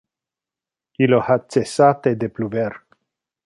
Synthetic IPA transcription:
ilohat͡sesat̪ed̪epluver

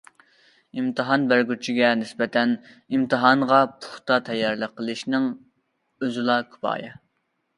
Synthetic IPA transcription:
imt̪ʰɨɦɑnbæɾɡʲyt͡ʃʰiɡʲɛnɪsbɛt̪ʰɛn | imt̪ʰɨɦɑɴʁɑpʰʊ̥χt̪ɑt̪ʰɛjːɑɾlˠəqʰːəlˠɨʃnɨŋ | øzɪlˠɑkʰʲy̥pɑ̰ːjɑ̰

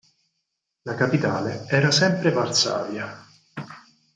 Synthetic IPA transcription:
lakapit̪aːleɛːɾasɛmpɾevart̪sa̰ːvja

